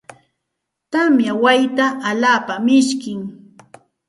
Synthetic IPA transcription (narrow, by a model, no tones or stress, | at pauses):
t̪amjawajt̪aʔːlaːpamɪʃkɪŋ